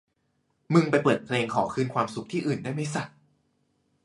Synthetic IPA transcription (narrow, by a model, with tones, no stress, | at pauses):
mɯ˧ŋpa˧jpɤː˨˩t̪̚pʰleː˧ŋkʰɔː˩˦kʰɯː˥˩nkʰwaː˧msu˨˩˦k̚t̪ʰiː˥˩ʔɯː˨˩ndaː˥˩jma˥˩jsa˨˩t̚